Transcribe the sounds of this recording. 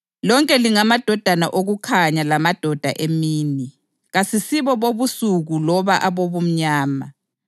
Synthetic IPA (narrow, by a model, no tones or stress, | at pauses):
lɔŋkʼɛliŋamad̥ʱɔd̥ʱana̰ʔoɣukʰaɲalamad̥ʱɔd̥ʱa̰ʔemiːni | ɣasisiβɔβoβusuɣulɔβaʔaβoβum̩ɲaːma̰